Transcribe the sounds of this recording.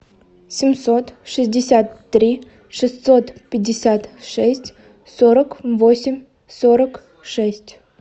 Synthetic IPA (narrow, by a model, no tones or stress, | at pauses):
sʲɪmsot̪ʂɨsʲdʲɪsʲat̪ːɾʲi | ʂɨst̪sot̪pʲɪdʲːɪsʲat̪ʂɛsʲtʲ | soɾəkvosʲɪmʲ | soɾək | ʂɛsʲtʲ